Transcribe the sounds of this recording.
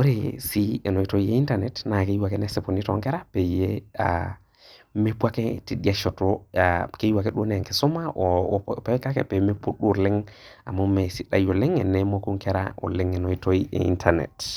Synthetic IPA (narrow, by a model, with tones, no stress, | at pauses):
wo˦ɾe˨si˦e˨no˨i˦to˦iei˦nta˦ɾne˨tna˨ke˦jwa˨ke˦ne˦se˨po˨ni˦toŋke˦ɾa˦pe˨je˦a | me˦pwa˦ke˦ti˨ɗi˦a˦ʃo˨to˦ake˦jwa˨ke˦ɗu˦ɾne˨a˨ŋke˨su˦maʔo˨pe˦ka˦kḛ˦pe˨me˦pu˦ɗu˦ɾli˦ŋa̰˨mo˦me˨si˦ɗa˨jo˨li˦ŋe˨ne˦mo˦ku˦ŋke˦ɾa̰o̰˨li˦ŋe˨no˨ito˦iʔḛ˨ḭ˦ntʰaɾnḛ˨t